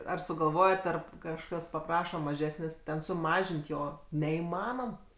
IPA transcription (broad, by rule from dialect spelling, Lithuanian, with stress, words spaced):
ɐr sʊɡɐlˠˈʋoːjɛt ˈɐr kɐʃˈkɐs pɐˈprɑːʃɐ mɐˈʒʲæːsʲnʲeːsʲ tʲɛn sʊˈmɑːʒʲɪnʲtʲ ˈjoː nʲɛiːˈmɑːnoːm